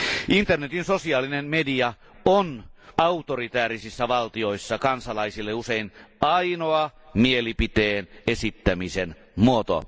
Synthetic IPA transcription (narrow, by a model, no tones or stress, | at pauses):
ʔint̪ernet̪insosiɑːlinemmediɑ | onɑut̪orit̪æːrisisːæʋɑlt̪io̞isːɑkɑnsɑlɑisilːeuseinɑinoɑmielipit̪eːnesit̪ːæmisen | muot̪o̰